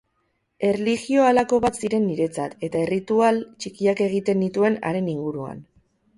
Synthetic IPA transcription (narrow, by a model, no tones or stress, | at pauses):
e̞reliɣio̞alako̞βat̪siɾe̞nːiɾe̞t͡sat̪e̞t̪ae̞rit̪ualt͡ʃikiake̞ɣ̞it̪e̞nd̪it̪ue̞na̰ɾe̞niŋɡuɾua̰n